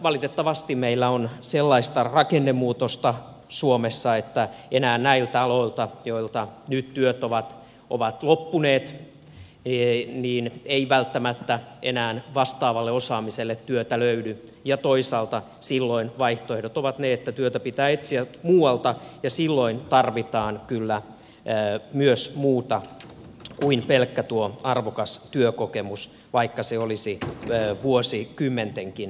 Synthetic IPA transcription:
ʋɑlit̪et̪ːɑʋɑst̪immeilːæonselːɑist̪ɑrɑkenːemuːt̪ost̪ɑ | suomesːɑet̪ːæenæːnnæilt̪æɑloilt̪ɑjoilt̪ɑnyt̪t̪yøt̪oʋɑt̪ | o̰ʋɑt̪lopːuneːt̪ | niːneiʋælt̪ːæmæt̪ːæʔenæːnʋɑst̪ɑːʋɑlːeosɑːmiselːet̪tyøt̪æløydy | jɑt̪oisɑːlt̪ɑ | silːoinʋɑiht̪oehdot̪oʋɑt̪neet̪ːæt̪yøt̪æpit̪æːet̪siæt̪muːwɑlt̪ɑjɑsilːoint̪ɑrʋit̪ɑːnkylːæ | myøsmuːt̪ɑ | kuinpelkːæt̪uoɑrʋokɑst̪yøkokemus | ʋɑikːɑseolisiʋuosikymːent̪eŋkin

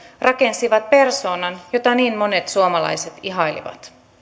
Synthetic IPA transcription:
rɑke̞nsiʋɑt̪̚pe̞rso̞ːnɑnjo̞t̪ɑniːnmo̞ne̞t̪suomɑlɑ̰jset̪iɦɑjlḭʋɑ̰t̪

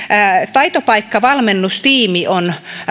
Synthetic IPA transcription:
t̪ɑit̪opɑikːɑʋɑlmenːust̪iːmiʔon

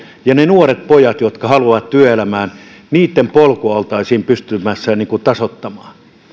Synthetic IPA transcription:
jɑnenuoret̪̚pojɑt̪jot̪kɑhɑluɑʋɑt̪t̪yøelæmæːn | niːt̪ːempolkoɑlt̪ɑisiːmpyst̪ymæsːæniːŋkut̪ɑsot̪ːɑmɑː

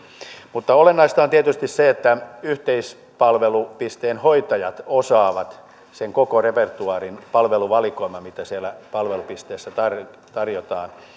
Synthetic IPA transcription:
mut̪ːɑolenːɑist̪ɑont̪iet̪yst̪isseet̪ːæyht̪eis | pɑlʋelupist̪eːnhoit̪ɑjɑt̪osɑːʋɑt̪ | seŋkokorepert̪uɑːrinpɑlʋeluʋɑlikoimɑmit̪æsielːˑæpɑlʋelupist̪eːsːæt̪ɑr | t̪ɑrjot̪ɑːn

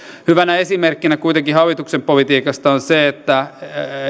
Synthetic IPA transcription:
hyʋænæesimerkːinækuit̪eŋkihɑʋit̪uksempolit̪iːkɑst̪ɑonseet̪ːæ

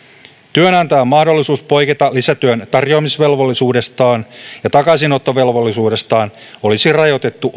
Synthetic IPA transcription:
t̪yønɑnt̪ɑːmːɑhdo̞lːisuːspo̞jket̪ɑlisæt̪yønt̪ɑrjo̞ɑmisʋe̞lʋo̞lːisuːde̞st̪ɑːnjɑt̪ɑkɑsino̞t̪ːo̞ʋe̞lʋo̞lːisuːde̞st̪ɑːn | o̞lisirɑjo̞t̪e̞t̪ːu

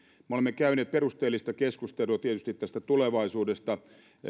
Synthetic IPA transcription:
meolemːekæyneːt̪̚perust̪eːlːist̪ɑkeskust̪eluɑt̪iet̪yst̪it̪t̪ːæst̪æt̪uleʋɑisuːdest̪ɑ

